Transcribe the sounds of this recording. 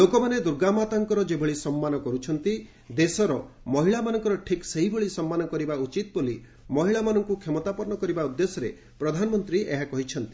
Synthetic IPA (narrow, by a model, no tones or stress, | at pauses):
lokɔmaned̪uɾɡamat̪aŋkɔɾɔd͡ʒebʱɔɭisɔmːanɔkɔɾut͡ʃʰɔnt̪i | d̪esɔɾɔ | mɔɦiɭamanɔŋkɔɾɔʈʰikseɦiboɭisɔmːanɔkɔɾibaut͡ʃit̪ɔboli | mɔɦiɭamanɔŋkukʰemɔt̪apɔɾɳɔkɔɾibaud̪ːesɔɾḛ | pɾɔd̪ʱanɔmɔnt̪ɾiʔeɦakɔɦit͡ʃʰɔnt̪i̥